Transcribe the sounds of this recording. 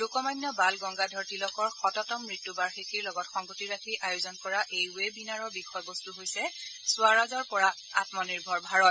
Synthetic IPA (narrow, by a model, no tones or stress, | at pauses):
lukɔmajnːɔbalɡɔŋɡadʱɔɹtilɔkɔɹxɔtɔtɔmɹitːubaɹxikʰiɹlɔɡɔtxɔŋɡotiɹakʰiʔajozɔnkɔɹaʔejwebinaɹɔbikʰɔjbɔstuɦojsɛsʊaɹazɔɹpɔɹa | a̰tmɔniɹbʱɔɹbʱaɹɔt